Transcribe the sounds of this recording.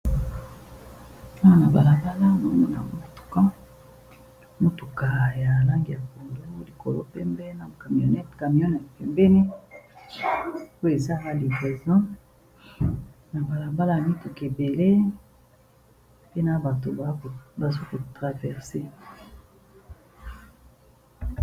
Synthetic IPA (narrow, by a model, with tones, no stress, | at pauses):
a˦wa˦na˨ba˨la˨ba˦la˦mo˨˦mo˦na̰˨mo˦tu̥˨kã˦ | mo˦tu˨ka˨ja˨la˦ŋɡi˨ja˨ko˨ndo˦li˨ko˨lo̰˦pɛ˦mbɛ˦na˨ka˨mi˨o˨nɛ˦tka˨mi˨o˦nɛ˨tpɛ˨mbɛ˦ni˦ | o˦je˨za˦la˦li˨vʁɛ˨zɔ̃˦ | na˨ba˨la˨ba˦la˦ja˨mi˦tu˨ke˨be˨le˦ | pe˦na˨ba˨to˨ba˨˦˨ba˨so˦ko˨tʁa˨vɛ˨ʁse˦